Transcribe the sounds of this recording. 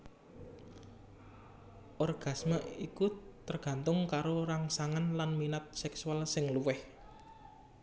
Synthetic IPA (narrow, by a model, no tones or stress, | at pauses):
ʔɔrɡ̥a̤smaʔikut̪ərɡ̥ä̤nt̪ʊŋkaɾoɾaŋsaŋanlanminat̪̚sɛksualsɪŋluwɪh